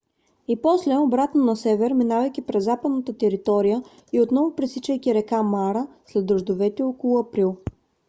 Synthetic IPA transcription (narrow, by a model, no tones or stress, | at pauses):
ipɔslɛobɾat̪nonɐsɛvɛɾminavɐjkʲipɾɛzːapəd̪nət̪ət̪ɛɾit̪ɔɾijə | iot̪nɔvʊpɾisit͡ʃəjk̪ʲiɾɛkamaɾəslɛd̪ːɾoʒd̪ovɛt̪ɛɔkolˠʊɐpɾilˠ